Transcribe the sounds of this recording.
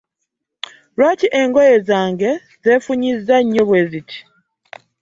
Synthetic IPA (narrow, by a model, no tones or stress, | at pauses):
ɾwaːtiʔe̞ŋɡojezaːŋɡe̞ | ze̞ːfuɲizaɲːoβwe̞zitʰi̥